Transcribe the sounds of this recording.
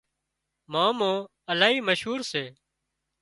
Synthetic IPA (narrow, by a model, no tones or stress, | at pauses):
mãːmõː | əlaːɦiːməʃɦuːɾseː